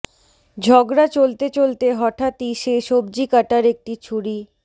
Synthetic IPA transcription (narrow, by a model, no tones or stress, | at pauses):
d͡ʑʱɔɡɾat͡ɕolt̪et͡ɕolt̪eɦɔʈʰat̪iʃeʃobd͡ʑikaʈaɾek̚ʈit͡ɕʰuɽi